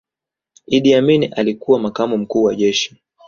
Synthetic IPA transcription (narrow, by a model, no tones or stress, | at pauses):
iɗiaminiʔalikuwamakamum̩kuːwaʄɛʃi̥